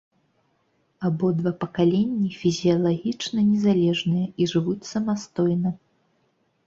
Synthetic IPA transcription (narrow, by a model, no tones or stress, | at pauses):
abɔd̪vapɐkalʲɛnʲːifʲizʲijɐlˠaɣʲit͡ʂnɐnʲɛzalʲɛʐnɨjɐiʐɨvut͡sʲsɐmast̪ɔjnɐ